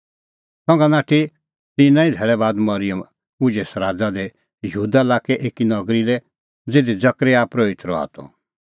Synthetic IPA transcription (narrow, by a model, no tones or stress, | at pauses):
sɔ̃ŋɡanaːʈʰi | t̪ĩnãːĩd̪ʱɛːɭɛbaːd̪mɐɾijəm | ʊd͡ʒesɾaːd͡zad̪ɛ | jɦuːd̪alaːkɛʔeːkinɐɡɾilɛ | d͡zeːd̪id͡zɐkɾeaːpɾoit̪ɾɔa̰ːt̪ɔ̰